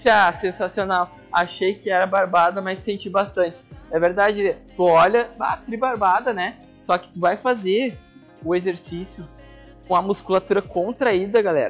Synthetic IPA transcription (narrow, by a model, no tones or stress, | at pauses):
sasẽsasionaw | aʃejkɪɛɾɐbaɾbad̪ɐmɐsːẽnt͡ʃibast̪ɐ̃nt͡ʃɪ̥ɛveɾd̪ad͡ʒɪt̪uɔʎɐba̰t̪ɾibaɾbad̪ɐnɛ | sɔkɪ̥t̪uvajfazeɾ | ʊezeɾsisjʊ | ũɐmuskulat̪uɾɐkõnt̪ɾaid̪ɐɡalɛ̰ɾɐ